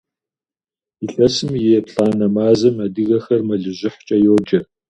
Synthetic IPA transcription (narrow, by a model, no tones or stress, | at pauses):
iɬɐsɨmjeːpɬʼaːnɐmaːzɐmɐdɨɣɐxɐrmɐɮɨʑɪħt͡ʃʼɐjoːd͡ʒɐ